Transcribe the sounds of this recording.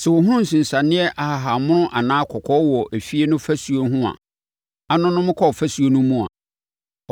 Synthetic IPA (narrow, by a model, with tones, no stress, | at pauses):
sɛ˨wʊ˨ɦʊ̃˦n̩˨sĩ˨n̩˨sã˨nɪ̃˦ɛ˦ʔa˨ha˨ɦa˨mʊ̃˦nʊ̃˦ʔa˨nãː˦kʰɔ˨kʰɔ˦wɔ˨ʔæ˨fi˦e˦nʊ̃˦fæ˦su˨o˨˦ɦũ˦a̰˨ | a˦nʊ̃˦nʊ̃˦mɪ̃˦kʰɔ˦˨fæ˦su˨o˦nũ˦mũ˨a̰˨